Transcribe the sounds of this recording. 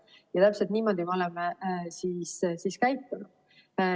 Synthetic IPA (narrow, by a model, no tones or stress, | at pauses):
jɑt̪æpselt̪niːmo̞d̪imeo̞lemesiːssiːskæjt̪ːˑunu̥